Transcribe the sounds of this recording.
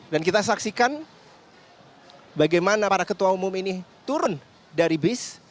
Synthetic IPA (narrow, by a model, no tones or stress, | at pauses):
dankit̪as̬aksikan | baɡajmanapaɾakət̪uaumʊminit̪uɾʊn | daɾibɪs